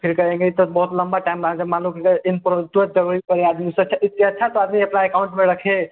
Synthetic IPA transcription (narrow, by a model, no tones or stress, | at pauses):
pʰiɾkəẽŋɡet̪ɔbəɦut̪ləmbaʈajmɾaɦd͡ʒəmalumkʰiɾkəinpɾot̪uət̪̚d͡ʒəɾuɾipəɾead̪misə̃t͡ʃʰait̪iətːt͡ʃʰat̪ɔad̪miəpnaekauɳʈmeɾəkʰe